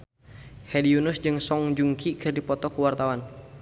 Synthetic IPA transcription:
hɛdiunusd͡ʒɨŋsɔŋd͡ʒuŋkʰikʰɨrdipɔt̪ɔkuwart̪awan

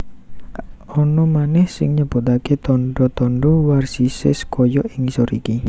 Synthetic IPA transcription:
ɔnɔmanɛhsɪŋɲəb̥ut̪aket̪ɔɳɖɔt̪ɔɳɖɔwarsisɪskɔjɔʔɪŋsɔɾiki

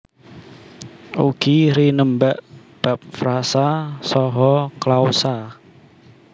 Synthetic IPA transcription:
ṵɡ̥iɾinəmbaʔ | b̥a̤p̚fɾasasɔɦɔklausa

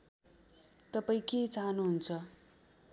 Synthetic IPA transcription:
t̪ʌpaĩket͡saɦʌnuɦunt͡sʰʌ

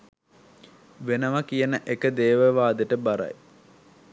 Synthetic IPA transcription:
ʋenəʋakijənəʔekəd̪eːʋəʋaːd̪əʈəbaɾa̰j

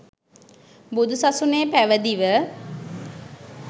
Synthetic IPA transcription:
bud̪usasunejpæʋəd̪iʋə

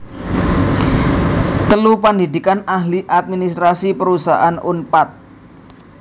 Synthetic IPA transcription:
t̪əlupəndidikanahliʔat̪̚minist̪ɾasipəɾusa̰ʔanunpat̪̚

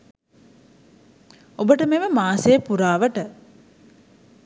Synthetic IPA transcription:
obəʈəmeʋəmaːsejəpuɾaːʋəʈə

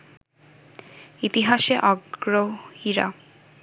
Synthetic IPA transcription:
it̪iɦaʃeʔɔɡɾohiɾa̰

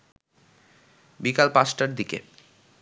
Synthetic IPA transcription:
bikalpasʈaɾd̪ikḛ

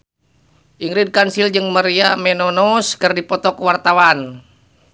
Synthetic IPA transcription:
ʔiŋɾid̚kansild͡ʒɨŋməɾiamɛnɔnɔskərdipɔt̪ɔkwart̪awan

